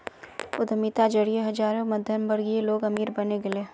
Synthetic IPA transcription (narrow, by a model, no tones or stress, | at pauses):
ʊd̪mit̪ad͡ʒɐɽijeɦɐd͡ʒaːɾõmɐd̪ʱjənbəɾɡieloːɡɐmiːɾbɐneɡeleː